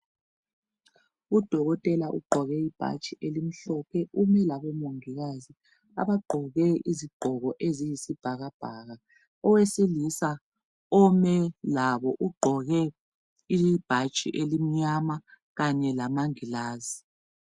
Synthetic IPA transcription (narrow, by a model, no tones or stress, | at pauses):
ud̥ʱɔɣɔtʼɛlaʔṵɡ͡ǃʱɔɣɛib̥ʱa̰t͡ʃʼiʔelim̩ɬɔpʰɛʔumɛlaβɔmoŋiɣazi | a̰βaɡ͡ǃʱɔɣɛiziɡ͡ǃʱɔɣɔʔezijisib̥ʱaɣab̥ʱaɣa | ɔwesilisa | ɔmɛlaβɔʔuɡ͡ǃʱɔɣɛ | ib̥ʱat͡ʃʼḭʔelim̩ɲama | ɣaɲɛlamaŋilaːzi